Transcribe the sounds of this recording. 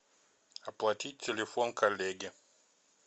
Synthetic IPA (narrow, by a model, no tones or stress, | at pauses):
apwatit͡ʃilifɔŋkʰalɛɡɛ